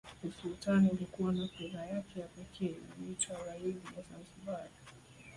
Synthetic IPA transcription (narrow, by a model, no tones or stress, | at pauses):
usultaniulikuwanapɛðajakʰɛjapɛkʰɛ̰ːlitauɾainijazanzibaɾi